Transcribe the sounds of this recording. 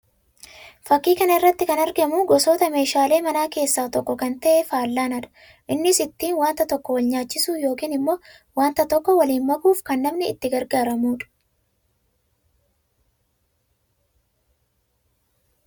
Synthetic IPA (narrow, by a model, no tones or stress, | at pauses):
fɐkːiːkɐnɐɪrːɐt̪ːɪkɐnɐɾɡɐmuːɡɔsoːt̪ɐme̞ːʃaːle̞ːmɐnaːke̞ːsːaːt̪ɔkːɔkɐnt̪ɐʔɛfaːlːaːnɐᶑɐ̥ | ʔɪnːɪsɪt̪ːiːnwaːnt̪ɐt̪ɔkːɔwɐlɲaːt͡ʃːɪsuːjo̞ːkiːnɪmːo̞ː | waːnt̪ɐt̪ɔkːɔwɐliːnmɐkuːfkɐnːɐmnɪɪt̪ːɪɡɐɾɡaːɾɐmuːᶑʊ̥